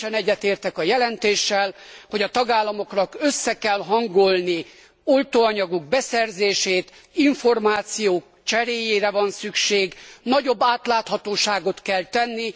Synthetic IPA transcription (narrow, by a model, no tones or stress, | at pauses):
ɛnɛɟːɛt̪eːrt̪ɛkɒjɛlɛnt̪eːʃːɛlho̞ɟɒt̪ɒɡaːlːɒmo̞knɒkøsːɛkɛlɦɒŋɡo̞lni | olt̪oːɒɲɒɡuɡ̚bɛsɛrzeːʃeːt̪ | iɱfo̞rmaːt̪sijoːk | t͡ʃɛɾeːjeːɾɛvɒnsykʃeːɡnɒɟo̞bːaːt̪laːt̪hɒt̪oːʃaːɡo̞t̪kɛlt̪ɛnːi